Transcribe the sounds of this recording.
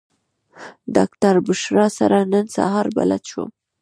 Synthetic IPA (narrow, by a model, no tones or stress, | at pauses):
d̪ɑkt̪aɾbʊʃɾɑsa̰ɾanənsa̰ɦɑɾba̰lat̪ʃo̰